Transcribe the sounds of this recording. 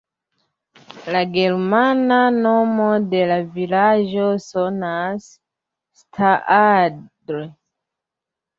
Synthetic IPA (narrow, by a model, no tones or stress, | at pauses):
laɡe̞ɾmanano̞mo̞de̞lavilad͡ʒo̞so̞nasː | tʰaʔadɾo